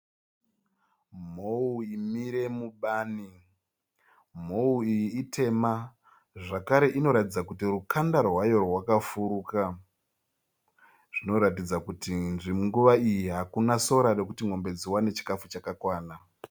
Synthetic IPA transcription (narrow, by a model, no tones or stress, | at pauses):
m̤ouimiɾe̞muɓaːni | m̤o̞uijiːtʰe̞ma | ʐakaɾe̞ʔino̞ɾatid͡zakutirukʰandarɦwajo̞rwakafuɾuka | ʐ̥ino̞ɾatid͡zakutinʐimuŋɡuʋaijiɦakunaso̞ɾare̞kutiŋ̤o̞mbe̞d͡ziwane̞t͡ʃi̥kafut͡ʃakakwaːna